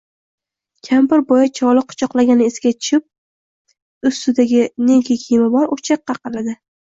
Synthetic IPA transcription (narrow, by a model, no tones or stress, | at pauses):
kʲʰambɪɾbɒjat͡ʃʰɒlˠɪq̚ʰːʊ̥t͡ʃʰɒqlaɡʲanɪːsɡʲat͡ʃʰʊ̥t͡ʃʰɪp̚ | ʊst̪ʊd̪aɡʲɪneŋkʲʰɪkʲʰimabɒɾʊt͡ʃʰɑqːɑqʰɑlad̪ɪ